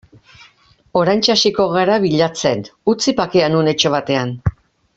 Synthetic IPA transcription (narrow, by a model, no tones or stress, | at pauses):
o̞ɾajnt͡ʃasiko̞ɣaɾaβiʎat͡se̞nut͡sipakeanune̞t͡ʃo̞βat̪e̞an